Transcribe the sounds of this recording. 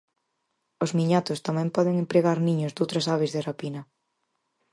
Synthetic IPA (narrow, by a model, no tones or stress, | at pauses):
ozmiɲat̪ʊst̪amɛ̃mpɔðeŋempɾeɣaɾniɲʊzd̪owt̪ɾɐsaβezðerapinɐ